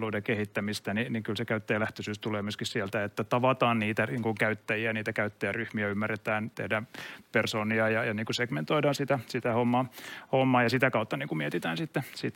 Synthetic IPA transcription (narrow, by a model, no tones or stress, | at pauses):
luidekehit̪ːæmist̪æniniŋkylsekæyt̪ːejælæht̪øsyːst̪uleːmyøskissielt̪æet̪ːæt̪ɑʋɑt̪ɑːnniːt̪æniːŋkuŋkæyt̪ːæjiæniːt̪ækæyt̪ːejæryhmiæymːæret̪æːnt̪ḛhdæmpersoːniɑjɑjɑniːŋkuseɡ̥ment̪oidɑːnsit̪æsit̪æhomːɑːhomːɑːjɑsit̪ækɑut̪ːɑniːŋkumiet̪it̪æːnsit̪ːesit̪ː